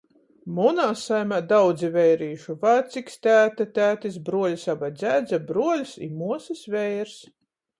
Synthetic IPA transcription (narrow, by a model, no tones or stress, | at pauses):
munaːsajmad̪awd̪zivɛjɾiːʃuvat̪sikst̪ʲæːt̪at̪ʲæːt̪is̬bɾuɔlʲisabajd̪zʲæːd̪zʲabɾuɔlʲsḭmuɔsisvɛjɾs